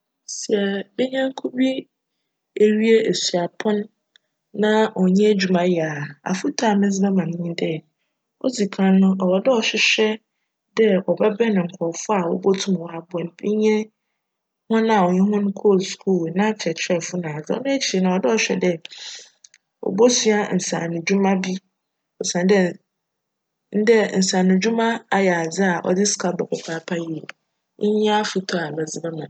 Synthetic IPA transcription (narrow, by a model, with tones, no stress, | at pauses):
si˨ɛ˨be˦ɲã˦ŋ̩˦kʰu˦bi˦ | e˦ɥi˦e˦ʔe˨si˨a˨pʰɔ̃˦nː | ã˦ɔ˨ɲɛ̃˦d͡ʑu˨mã˦ja˨a̰˨fu˦tʰa˨mɪ̃˦s̬bɛ˦mã˨nɪ̃˦dɛ˦ | ɔ̰˦d͡zi˨kʰã˨nːʊ̃˦ɔ˨wɔ˨dɛ˦ɔ˨ɕᶣɪ˦ɕᶣɛ˦ | dɛ˦ɔ˨bɛ˦bɛ˦nʊ̃˨ŋ̩˨kʷʰɔ˨fʊ˦a˨wɔ̰˦bo˦tʰũ˦m˨wɔ˨a˨bʊ˨ɛ̃˨m˨bi˦ɲɛ̃˦ | hʊ̃˦nã˦˨wɔ˨ɲɛ̃˦ɦʊ̃˦nʊ̃˦kʰo˦˨lskʰu˦˨lnã˦fʰɛ˨t͡ɕʰɛ˦˨fʊ˦nã˨d͡zɪ˦ɔ̰˦nʊ̃˦æ˦t͡ɕʰi˨e˨nã˨ɔ˨dɛ˦ɔ˨ɕᶣɛ˦dɛ˦ | ɔ̰˨bo˦sɥa˦n̩˨sã̰ː˨nʊ̃˨d͡ʑᶣu˦mã˦bi˦ | ɔ˨sã˨n˦dɛ˦ | n̩˦dɛ˦n̩˨sã˨nʊ̃˨d͡ʑu˦mã˦a˨jɛ˨a˨d͡zɪ˦a˨ʔɔ̰˨dɪ˦skʰa˦bɛ˨kʰɔ˨pʰaː˨˦pʰa˦ji˨ | ɲɪ˦ɲ˦a˦a˦fu˨tʰɔ˦a˨mɛ˨d͡zɪ˨bɛ˦mã˨